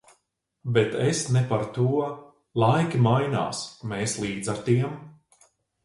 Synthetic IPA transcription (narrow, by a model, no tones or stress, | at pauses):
bɛt̪ɛsnɛpaɾt̪uɔ | lˠajkʲimajna̰ːsmeːslˠiːd̪zaɾt̪iɛm